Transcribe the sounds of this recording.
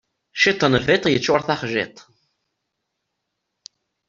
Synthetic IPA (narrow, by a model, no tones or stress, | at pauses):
ʃit̪ˤːənvit̪ˤjət͡sːʊɾθaχʒɪ̰t̪ˤ